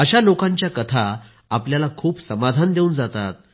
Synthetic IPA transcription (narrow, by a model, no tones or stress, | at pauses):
əɕalokãɲt͡ɕjakət̪ʰa | apljalakʰuːpsəmad̪ʱand̪eund͡zat̪at̪̚